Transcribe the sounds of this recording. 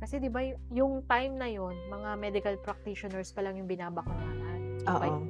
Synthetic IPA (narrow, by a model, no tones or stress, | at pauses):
kɐsɛd̪ɪbajjʊŋt̪ajmnɐjo̞nmɐŋamɛd̪ɪkɐlpɾɐk̚t̪iʃonɛɹspɐlɐŋjʊŋbɪnaːbɐkaaʔɐʔpɐj